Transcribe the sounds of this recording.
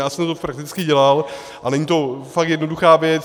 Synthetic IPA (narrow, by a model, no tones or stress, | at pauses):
jaːsɛmt̪opɾak̚t̪ɪt͡skɪɟɛlal | ʔanɛɲit̪o̞fak̚t̪jɛdnoduxaːvjɛt͡s